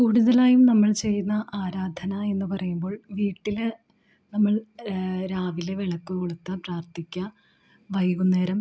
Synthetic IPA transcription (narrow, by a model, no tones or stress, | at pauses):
kuːɽuðɐlaːjumnɐmːɐɭt͡ɕe̞jːunːɐʔaːɾaːd̪ʱɐnɐe̞nːɨpɐrɐjumbo̞ːɭʋiːʈːil | nɐmːɐɭɾaːʋileʋeɭɐkːukoɭut̪ːɐpraːrt̪ʰikʲːɐ | ʋɐjɣunːeːɾɐm